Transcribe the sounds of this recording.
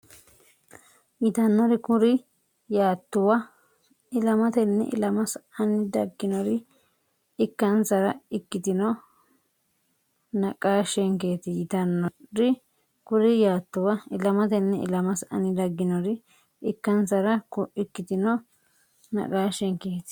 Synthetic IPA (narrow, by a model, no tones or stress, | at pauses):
jɪt̪ɐnːɔɾɪkʊɾɪ | jaːt̪ːʊwɐ | ɪlɐmɐt̪ɛnːɛ̰ʔɪ̰lɐmɐsɐnɪd̪ɐɡːɪnɔɾɪ | ɪkːɐnsɐɾɐɪkːɪt̪ɪnɔ | nɐkʼaːʃɛŋke̞ːt̪ɪjɪt̪ɐnːɔɾɪ | kʊɾɪjaːt̪ːʊwɐɪlɐmɐt̪ɛnːɛɪ̰lɐmɐsɐ̰nɪd̪ɐɡːɪnɔɾɪ | ɪkːɐnsɐɾɐkʊɪkːɪt̪ɪnɔ | nɐ̰kʼaːʃɛŋkeːt̪